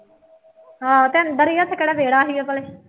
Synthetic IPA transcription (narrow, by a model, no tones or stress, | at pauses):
ɦãːt̪eːənd̪əɾiːət̪sʰekeɽɛːʋeːɽaːɦiːɛːpəleː